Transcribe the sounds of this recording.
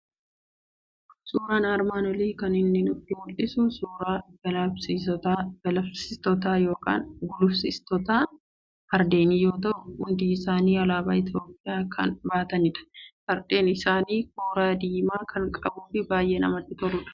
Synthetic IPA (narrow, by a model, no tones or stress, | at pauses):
suːɾaːnaːɾmaːnɔliːkɐnɪnːɪnʊd̪ʊwʊlɪsʊsuːɾaːbɐlɐsɪɔt̪abɐlɐfsɪst̪ɔt̪̬aːjo̞ːka̰ːnɡʊlʊfsɪst̪ɔt̪aː | hɐɾd̪e̞ːniːjo̞ːt̪ɐʔʊhʊnd̪iːɪsaːniːɐlaːbaːɪt̪jo̞ːpʼːɪjaːkʰɐ̰nbaːt̪ɐnɪᶑɐ̥hɐɾd̪e̞ːnɪsaːniːkoːɾaːd̪iːmaːkʰɐŋkʼɐbuːfɪbaːjʔɛnɐ̰mɐt̪ːɪt̪ɔɾʊᶑɐ̥